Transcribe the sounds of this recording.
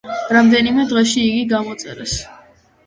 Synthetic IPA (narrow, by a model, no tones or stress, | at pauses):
ɾamd̪ɛnimɛd̪ʁɛʃiːɡiɡamɔt̪sʼɛɾas